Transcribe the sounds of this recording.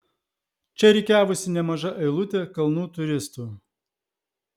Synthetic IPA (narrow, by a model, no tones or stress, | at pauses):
t͡ʃʲɛɾʲɛɪkʲæːʋʊsʲɪnʲɛmɐʒɐʔɐɪlˠʊt̪ʲekɐlˠnuːt̪ʊɾʲɪst̪uː